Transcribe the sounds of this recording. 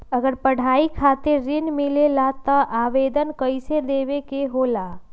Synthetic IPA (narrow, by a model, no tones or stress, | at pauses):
əɡəɾpəɽ̤aikʰat̪eɾːɪnmɪlelat̪əʔaʋed̪ənkəɪsed̪eʋekeɦola